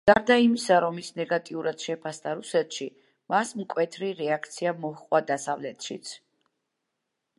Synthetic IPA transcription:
ɡ̥aɾd̪aimisaɾɔmisnɛɡat̪ʼiuɾad̪̥ʃɛpʰasd̪aɾusɛt̪ʃi | masmkʼwɛt̪ʰɾiɾɛakʰt̪sʰiamɔhqʼwad̪asavlɛt̪ʰʃḭt̪sʰ

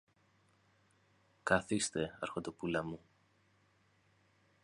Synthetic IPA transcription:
kɐθist̪e̞ɐɾxot̪opulɐmu

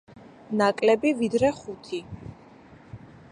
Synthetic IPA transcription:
nakʼlɛbivid̪ɾɛχut̪ʰi

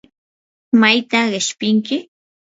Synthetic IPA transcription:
majt̪aɢɪʃpɪŋkɪ

